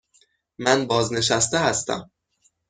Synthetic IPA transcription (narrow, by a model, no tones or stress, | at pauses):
mænbɒːzne̞ʃæst̪ehæst̪æ̰m